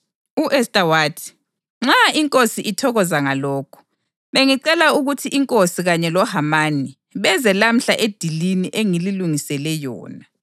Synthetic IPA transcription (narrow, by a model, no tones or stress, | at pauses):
uʔɛstʼawaːtʰi̥ | ŋ͡ǁaiŋkʼosiʔitʰɔɣɔzaŋalɔːkʰu̥ | βeŋiǀɛlauɣutʰiʔiŋkʼosiɣaɲɛlɔhamani | βɛzɛlam̩ɬaʔed̥ʱiliniʔeŋililuŋisɛlɛjɔ̰ːna